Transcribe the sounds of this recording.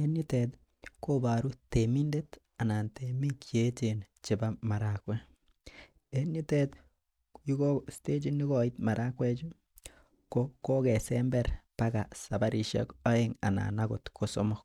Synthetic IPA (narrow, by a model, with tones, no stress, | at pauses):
e˦ni˦tet | ko˦ba˨ɾu˦temi˦nde˦t | a˨na˨ntemi˦ke˦t͡ʃe˨n | t͡ʃe˨ba˦ma˨ɾakwɛ˦ | e˦ni˦tet̪ | ju˦ɡo˦ste˦d͡ʒi˦nːi˦ɡɔ˨i˦tma˨ɾa˦kwɛ˦t͡ʃu˦ | koko˦kɛ˨sɛmbɛɾpaɡa˨sa˨ba˦ɾi˨ʃɛ̰kɔ˦eŋa̰˨na̰˨naɡʊ˨tkʰo˨sɔmɔk̚